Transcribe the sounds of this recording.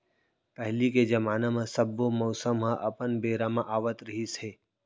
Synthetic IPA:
pɛɦliked͡ʒɐmaːnãmẽsəbːomɔːsəmɦãʔɐpənbeːɾamãʔaːʋət̪ɾəɦisɦeː

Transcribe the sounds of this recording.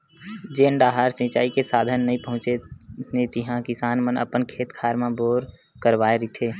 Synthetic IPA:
d͡ʒeːɳɖaːɦaːɾsĩt͡ʃaːikesaːd̪ʱənːəɦĩpəɦʊ̃t͡ʃenet̪ɪɦãkɪsaːnmənə̰pənkʰeːt̪kʰaːɾmãboːɾ | kəɾʋaːeɾɪt̪ʰeː

